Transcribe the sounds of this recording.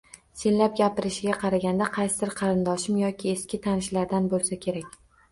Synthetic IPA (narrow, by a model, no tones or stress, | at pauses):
senlap̚ɡʲapɪɾɪʃɪɡʲaqʰɑɾaɡʲand̪aqʰɑjsɪd̪ɪɾqʰɑɾɪnd̪ɒʃɪmjɒkʲɪeskʲɪt̪ʰanɪʃlaɾd̪anbolˠsakʲʰe̞ɾakʲ